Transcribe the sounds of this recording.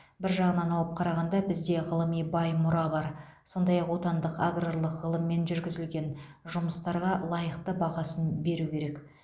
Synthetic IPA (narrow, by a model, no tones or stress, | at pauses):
bɪɾʒɑʁənɑnɑw̪ˠəp̚qʰɑɾɑʁɑnd̪ɑbɪzd̪e̞ʁəlˠəmijbɑjmʊɾɑbɑɾ | so̞nd̪ɑjɑqwo̞t̪ɑnd̪əqaɡroɾlˠəqʁəlˠəmːe̞nʒʏɾɡʲɪzɪlɡʲe̞n | ʒʊməst̪ɑɾʁɑlˠɑjəqt̪əbɑʁɑsənbe̞ɾukʲʰe̞ɾe̞k